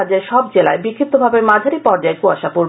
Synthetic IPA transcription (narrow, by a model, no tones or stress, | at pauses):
ad͡ʑaɾʃɔb̚d͡ʑela̰ebikkʰːip̚t̪obʱabeɾmad͡ʑʱaɾipɔɾd͡ʑaekuaʃapuɾ